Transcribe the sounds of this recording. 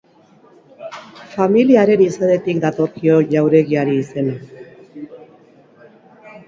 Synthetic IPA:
familiaɾe̞niseðe̞t̪ikd̪at̪o̞kio̞ʎawɾe̞ɣiaɾiːse̞na

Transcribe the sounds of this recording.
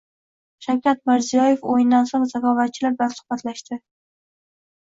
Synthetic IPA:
ʃawkʲat̪̚mɪɾzijɒjefojɪnd̪ansoŋzakʰɒvat̪̚t͡ʃʰɪlablansʊ̥hbat̪ʰlaʃt̪ɪ

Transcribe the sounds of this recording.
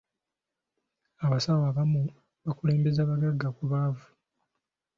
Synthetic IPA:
aβasawaːβamu | βakule̞ːmbe̞zaːβaɡaɡːakuβaːvu

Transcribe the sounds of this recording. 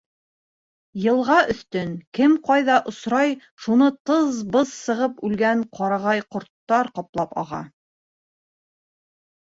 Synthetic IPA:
jɤ̆lˠʁɑʔɵ̆θt̪ɵnkɘmqɑjðɑʔŏsɾɑj | ʃunɤt̪ɤzbɤzsɤ̆ʁɤpʉlɡæɴqɑɾɑʁɑjqŏɾt̪ːɑɾqɑplˠɑpɑ̰ʁɑ̰

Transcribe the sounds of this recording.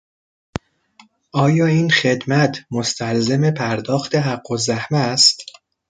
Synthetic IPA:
ʔɒːjɒːiːnxe̞d̪mæt̪ʰmo̞st̪ʰælzeme̞pʰæɾd̪ɒːxt̪e̞ɦæɢːozæhmæst̪

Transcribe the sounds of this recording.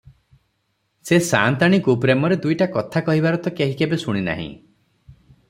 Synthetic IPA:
sesa̰nt̪aɽ̃ikup̬ɾemɔɾed̪ujʈakɔt̪ʰakɔɦibaɾɔt̪ɔkeɦikebesuɽ̃ina̰ɦḭ̃

